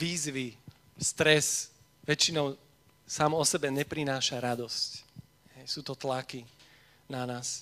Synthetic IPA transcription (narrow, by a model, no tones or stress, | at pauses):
ʋiːzʋi | st̪ɾɛs | ʋɛt͡ʃinɔʊ | saːmɔsɛbɛɲɛpɾinaːʃaɾad̪ɔsc | hɛjsuːt̪ɔt̪laki | nanaːs